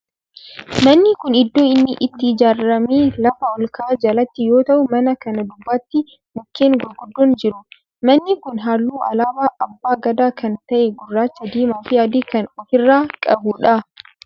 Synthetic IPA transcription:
mɐnːɪkʊnɪd̪ːo̞ːɪnːɪʔɪt̪ːɪɪd͡ʒaːɾːɐmeːlɐfɐɔlkaːd͡ʒɐlɐt̪ːɪjo̞ːt̪ɐʔʊmɐnɐkɐnɐd̪ʊbːaːt̪ːɪ | mʊkːeːŋɡʊlɡʊd̪ːɔːnd͡ʒɪɾʊ | mɐnːɪkʊnɦaːlːuːʔɐ̰laːbaːʔɐbːaːɡɐd̪aːkɐnt̪ɐʔɛɡʊrːaːt͡ʃːɐd̪iːmaːfɪjaːd̪iːkɐnɔfɪrːaːkʼɐbuːᶑɐ

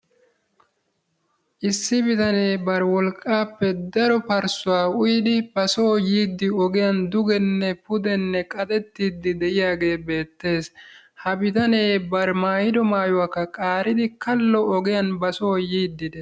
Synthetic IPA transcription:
ʔɪsːɪbɪt̪ɐne̞ːbɐɾwɔlkʼːaːpːɛd̪ɐɾɔpɐɾsʊwaːʊjd̪ɪb̥ɐsoːjiːd̪ːɪɔɡɪjɐnd̪ʊɡɛnːɛpʊd̪ɛnːɛkʼɐt̪ʼɛt̪ːiːd̪ːɪd̪ɛʔɪjaːɡe̞ːbe̞ːt̪ːe̞ːs | hɐbɪt̪ɐne̞ːbɐɾmaːjɪd̪ɔmaːjʊwakːɐkʼaːɾɪd̪ɪkɐlːɔɔɡɪjɐnbɐsoːjiːd̪ːɪd̪ɛ

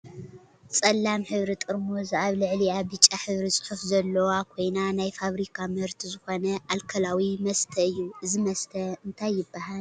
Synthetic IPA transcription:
t͡sʼɐlːamħɨβɾit̪ʼɨɾmozaβlɨʕliabɨt͡ʃʼːaħɨβɾit͡sʼɨ̥ħufzɐlːɐwakʰojnanajfaβɾikʰamɨhɨɾt̪ʰizɨxo̞nɐʔalkʰɐlawimɐst̪ʰɐɨjːuɨzimɐst̪ʰɐɨnt̪ʰajːɪbːahal

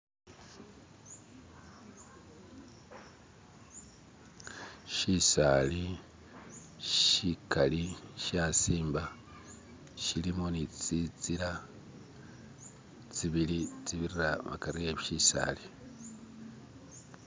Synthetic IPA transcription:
ʃisali | ʃikʰaliʃaːsiːmba | ʃilimonit͡sit͡siɾa | t͡siβilit͡siβiɾiraβa̰kaɾieβiʃisa̰ːli

